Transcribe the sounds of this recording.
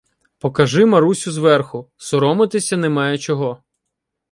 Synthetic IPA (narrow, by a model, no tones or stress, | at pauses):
pɔkɐʒɪmɐɾusʲʊzʋɛrxʊsɔɾɔmɪt̪ɪsʲɐnɛmɑjɛt͡ʃɔɦɔ